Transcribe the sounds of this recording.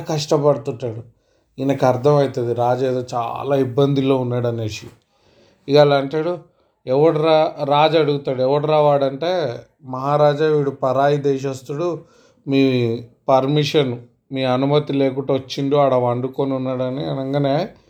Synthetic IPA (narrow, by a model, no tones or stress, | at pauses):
kɐʂʈɐpɐɽut̪uɳʈːaːɽu | inɐkɐɾd̪ʱɐmɐjit̪ɐd̪iɾaːd͡ʒeːd̪oːt͡ʃa̰ːlaːibːɐnd̪ilo̞ːunːaːɽɐnːeːʂi | iɡɐlaːɐɳʈaːɽu | ɛʋɐɽuɾaːɾaːd͡ʒɐɽuɡut̪aːɽuɛʋɐɽuɾaːʋaːɽɐɳʈe̞ː | mɐɦaːɾaːd͡ʒaːʋiːɽupɐɾaːjid̪ɛːʃ̬ɐst̪uɽu | miːpɐɾmiʂɐn | miːɐnumɐt̪ileːkuʈɐʋɐt͡ʃːiɳɖoɐɽaːʋɐɳɖuko̞ːnunːaːɽɐninɐŋɡɐneː